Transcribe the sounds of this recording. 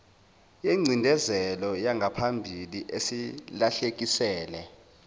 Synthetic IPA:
jeŋ͡ǀʱindʱɛzɛlɔjaŋɡʱapʰambʱiliʔesilaɬek̬ʼisɛːlɛ

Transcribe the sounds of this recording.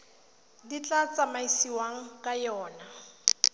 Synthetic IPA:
dit͡ɬʼat͡sʼamaisiwaŋ̩kʼajɔːna

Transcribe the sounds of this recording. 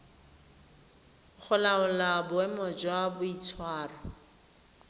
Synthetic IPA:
χʊlaʊlabʊɛmɔd͡ʒwabʊit͡sʰwaːra

